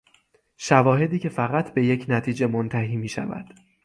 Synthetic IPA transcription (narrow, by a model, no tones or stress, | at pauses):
ʃævɒːɦe̞d̪iːcʰe̞fæɣæt̪ʰbe̞jecʰnæt̪ʰiːd͡ʒe̞mont̪ʰæɦiːmiːʃæ̰væ̰d̪̥